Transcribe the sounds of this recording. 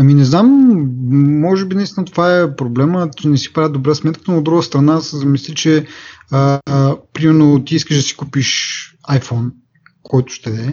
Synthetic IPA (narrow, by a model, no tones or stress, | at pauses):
ɐminɛznam | mɔʒɛbinɐist̪ʲinət̪ovaɛpɾoblɛmət͡ʃɛnɛsi̥pɾavʲid̪obɾasmɛt̪kət̪noːd̪d̪ɾuɡəst̪ɾɐnasɛzɐmislit͡ʃɛəpɾimɛɾnot̪iiskəʒd̪ɐsi̥kupiʃ | ajfɔn | kʰɔjt̪ʊ̥ʃt̪ɛɛ